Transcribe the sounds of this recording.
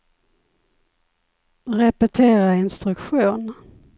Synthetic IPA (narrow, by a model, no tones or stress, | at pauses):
ɾɛpɛt̪ʰeːɾaɪnst̪ɾɵkɧuːn